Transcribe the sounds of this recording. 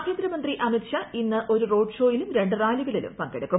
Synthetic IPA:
kʰeːnd̪ɾɐmɐnd̪riʔɐmikʂɐinːɨʔo̞ɾuro̞ːɖʂo̞ːjilumɾe̞ɳɖɨraːliɣɐɭilṵmpɐŋɡeɽukːu

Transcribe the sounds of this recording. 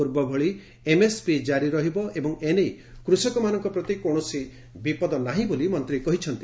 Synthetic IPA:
uɾbɔbʱɔɭi | emespid͡ʒaɾiɾɔɦibɔʔebɔŋenej | kɾusɔkɔmanɔŋkɔpɾɔt̪ikoɳ̃ɔsi | bipɔd̪ɔnaɦĩbolimɔnt̪ɾikɔɦit͡ʃʰɔnt̪i̥

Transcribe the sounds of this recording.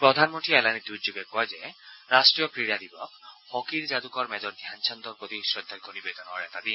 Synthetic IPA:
pɾɔd̪ʱanmɔnt̪iɛlanid̪ud͡ʒuɡekːɔɦed͡ʒeɾasʈɾijɔkɾiɽad̪ibɔkhɔkiɾd͡ʒad̪ukɔɾmɛd͡ʒɔɾd̪ʱjant͡ʃʰɔnd̪ɔɾpɾɔt̪isɾɔd̪ʱːad̪ikɔnibed̪ɔnɔɦɔɾɛt̪ad̪i

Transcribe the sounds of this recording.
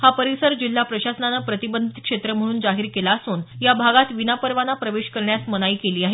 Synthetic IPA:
hapəɾisəɾd͡ʑil̤ːapɾəɕasənanəpɾət̪ibənd̪ʱit̪̚kʂet̪ɾəm̤əɽ̃uːnd͡zaɦiɾkelaəsuːnjabʱaɡat̪ʋinapəɾʋanapɾəʋeɕkəɾɳjasmənaiːkeliːaɦe

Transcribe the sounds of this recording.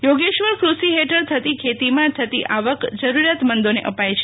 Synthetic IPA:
joɡeʃʋəɾkɾusiɦeʈʰəɾt̪ʰət̪ikʰet̪imãt̪ʰət̪ḭʔaʋəkd͡ʒəɾuɾjat̪mənd̪onḛʔəpajt͡ʃʰe

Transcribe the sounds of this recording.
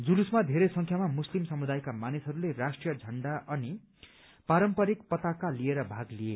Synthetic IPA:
d͡zulusmad̪ʱeɾesʌŋkʰjamamuslimsʌmud̪ajkamanisɦʌɾulerasʈrijʌd͡zʱʌɳɖaʔʌni | paɾʌmpʌɾikpʌt̪akalieɾʌbʱaɡlie

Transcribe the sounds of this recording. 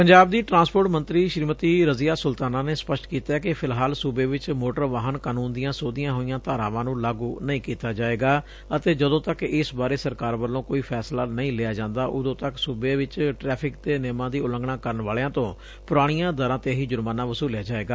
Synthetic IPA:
pəɲd͡ʒaːb̚d̪iːʈɾãːnspoːɾʈmənt̪ɾiːʃɾiːmət̪iːɾəziːaːsʊlt̪aːnaːneːspəʃʈkiːt̪aːkɪpʰɪlɦaːlsubeːʋɪt͡ʃmoːʈəɾʋaːɦənkaːnuːnd̪ijãːsoːd̪ɪjãːɦoːijãːt̪aːɾãːʋãːnũːlaːɡuːnəĩːkiːt̪aːd͡ʒaːeːɡaː | ət̪eːd͡ʒəd̪õːt̪əkɪsbaːɾeːsəɾkaːɾʋəlːõːkoːiːpʰɛːslaːnəĩːlɪjaːd͡ʒãːnd̪aːʔʊd̪õːt̪əksubeːʋɪt͡ʃʈɾɛːpʰɪk̚t̪eːnɛːmãːd̪iːʊlə̃ŋɡɳaːkəɾənʋaːlejãːt̪õː | pʊɾaːɽ̃ɪjãːd̪əɾãːt̪eːɦiːd͡ʒʊɾmaːnãːʋəsuːljaːd͡ʒaːeːɡaː

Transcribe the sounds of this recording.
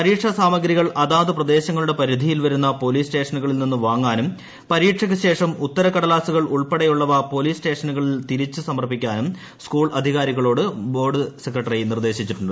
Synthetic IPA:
pɐɾiːʈʂɐsaːmɐɡɾiɣɐɭʔɐðaːðɨprɐd̪e̞ːɕɐŋːɐɭuɽe̞pɐɾid̪ʱijilʋɐɾunːɐpo̞liːsʈe̞ːʂɐnuɣɐɭilninːɨʋaːŋːaːnum | pɐɾiːʈʂɐk̬ʲːɨɕe̞ːʂɐmut̪ːɐɾɐkɐɽɐlaːsuɣɐɭʔuɭpeɽɐjuɭːɐʋɐpo̞ːliːsʈe̞ːʂɐnuɣɐɭilt̪iɾit͡ɕːɨsɐmɐrpːikʲːaːnum | skuːɭɐd̪ʱiɣaːɾiɣɐɭo̞ːɽɨbo̞ːɖɨsekrɐʈːɐrinird̪e̞ːɕit͡ɕːuʈːuɳɖ

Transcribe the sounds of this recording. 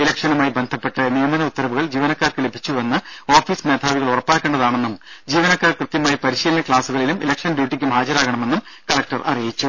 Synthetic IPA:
ilɐkʂɐnumaːjibe̞nd̪ʱɐpːe̞ʈːɐnijɐnd̪ɐnɐut̪ːɐɾɐʋuɣɐɭd͡ʑiːʋɐnɐkːaːrkɨle̞bʱit͡ɕːuʋenːɨo̞ːfiːsme̞ːd̪ʰʱaːʋiɣɐɭurɐpːaːkʲːe̞ːɳɖɐðaːɳe̞nːumd͡ʑiːʋɐnɐkːaːrkrɨt̪jɐmaːjipɐɾiɕiːlɐnɐkɭaːsuɣɐɭilumḭlɐkʂɐnbjuːʈːikʲːumhaːd͡ʑɐɾaːɣɐɳɐme̞nːum | kɐlɐk̚ʈɐrʔɐ̰rijit͡ɕːu

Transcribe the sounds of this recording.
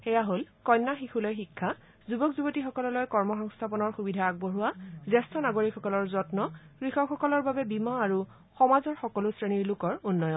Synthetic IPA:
xɛjaɦolkɔjnːaxixulɔjxikʰːa | zubɔkzubotixɔkɔlɔlɔjkɔɹmɔxɔŋstʰapɔnɔɹxubidʱaaɡ̚boɹuwazɛstʰɔnaɡoɹikʰːɔkɔlɔɹzɔtnɔkɹixɔkxɔkɔlɔɹbabɛbimaːɹu | xɔmazɔɹxɔkɔlʊsɹeniɹlʊkɔɹunːɔjɔn

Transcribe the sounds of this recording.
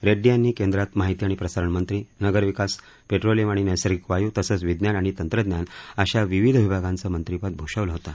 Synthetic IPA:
ɾeɖijanːiːkẽnd̪ɾat̪maɦit̪iːaɽ̃ipɾəsaɾəɳmənt̪ɾiːnəɡəɾʋikas | peʈɾolimaɽ̃inesəɾikʋajut̪əsəːt͡sʋid̪njanaɽ̃it̪ənt̪ɾəd̪njanəɕaʋiʋid̪ʱʋibʱaɡant͡səmənt̪ɾipat̪̚bʱoʂəʋləɦot̪a

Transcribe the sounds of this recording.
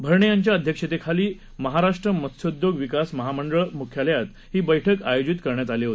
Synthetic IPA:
bʱəɾɳejaɲt͡ɕjaəd̪ʱjəkʂet̪ekʰaliː | məɦaɾaʂʈɾəmət̪sod̪joɡʋikasməɦaməɳɖəɭmukʰjaljat̪ | hiːbəjʈʰəkajod͡ʑit̪kəɾɳjat̪aliɦot̪e̥

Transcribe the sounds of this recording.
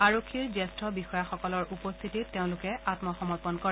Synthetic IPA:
aɹokʰːiɹzɛstʰɔbixɔjaxɔkɔlɔɹʔupɔst̪ʰititːeʊ̃lʊkɛatmɔxɔmɔɹpɔnkɔɹɛ

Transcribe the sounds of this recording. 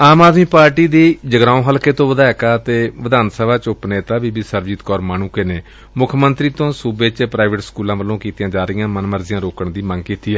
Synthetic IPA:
aːmaːd̪miːpaːɾʈiːd̪iːd͡ʒəɡɾãːõːɦəlkeːt̪õːʋəd̪aːɛkaːt̪eːʋəd̪aːnsəbaːt͡ʃʊpneːt̪aːʋiːbiːsəɾʋd͡ʒɪt̪kɔːɾmaːnuːkeneː | mʊkʰmənt̪ɾiːt̪õːsuːbeːt͡ʃpɾaːɪʋəʈskuːlãːʋəlõːkiːt̪ɪjãːd͡ʒaːɾɪjãːmənməɾzɪjãːɾoːkəɳd̪iːmə̃ŋɡkiːt̪iːɛː

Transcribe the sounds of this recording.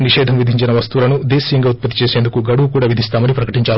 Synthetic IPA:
niʂɛːd̪ʱɐmʋid̪ʱiɲt͡ʃinɐʋɐst̪ulɐnud̪eːsijɐŋɡaːut̪̚pɐt̪ːi̥t͡ʃeːse̞ːnd̪ukuɡɐɽukuːɽaːʋid̪ʱist̪aːmɐnipɾɐkɐ̥ʈiɲt͡ʃaːu

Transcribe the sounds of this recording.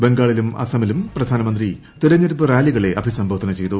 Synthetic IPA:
be̞ŋɡaːɭilumɐ̰sɐmilumprɐd̪ʱaːnɐmɐnd̪ri | t̪iɾɐɲːɐɾupɨɾaːliɣɐɭe̞ʔɐbʱisɐmbʱɐʋd̪ʰʱɐnɐt͡ɕe̞jt̪u

